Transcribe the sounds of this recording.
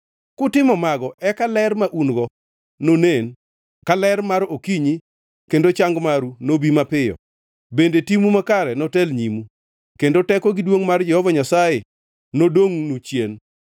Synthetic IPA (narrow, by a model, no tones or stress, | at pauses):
kʊtɪmɔmaɡɔʔɛkalɛrmaʔunɡɔ | nonen | kalɛrmaɾokiɲi | kendot͡ʃaŋɡmaɾunobimapɪjɔ̰ | bendetimumakaɾɛnɔtɛlɲimu | kendotɛkɔɡɪdwoŋmard͡ʒɛhɔvaɲasajɪ | nodoŋnut͡ʃjen